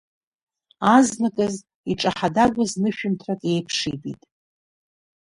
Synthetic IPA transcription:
aznakʼɨz | iʈ͡ʂʼaħadaɡʷaznɨʃᶣʊmtʰratʼe̞jpʰʂidʼḭtʼ

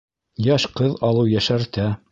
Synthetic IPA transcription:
jɑʃqɤðɑlˠɤwjæʃæɾt̪æ

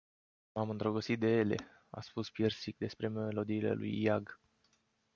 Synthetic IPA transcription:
mamɨnd̪ɾoɡot̪sit̪̚d̪e̞je̞le̞̰ | a̰spuspjersik̚d̪e̞spɾe̞melo̞d̪iːle̞̰lṵjːaɡ

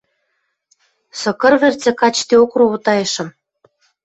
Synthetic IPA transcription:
sɤ̆kɤ̆rβĕrt͡sĕkɑt͡ɕt̪iokruut̪ɑjɤ̆ʃɤ̆m

